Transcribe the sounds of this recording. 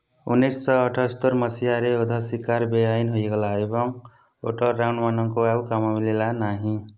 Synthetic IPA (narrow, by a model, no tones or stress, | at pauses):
unːejsːʌʌʈʰʌst̪oɾmʌsijaɾeod̪ʱʌsikaɾbejajnɦojɡʌlaebʌŋ | o̰ʈʌlɾawɳɖmanʌŋkoaukamamilelanaɦĩ